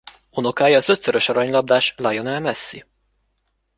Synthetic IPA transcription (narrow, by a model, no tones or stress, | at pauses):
ono̞kaːjɒːzø̞t̪søɾø̞ʃɒɾɒɲlɒb̚d̪aːʃlɒjo̞nɛlmɛsːi